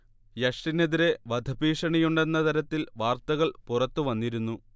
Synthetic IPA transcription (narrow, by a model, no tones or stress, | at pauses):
jɐʂʈine̞ðiɾe̞ʋɐd̪ʱɐbiːʂɐɳijuɳɖe̞nːɐt̪ɐɾɐt̪ːilʋaːrt̪ɐɣɐɭpurɐt̪ːuʋɐnːiɾunːu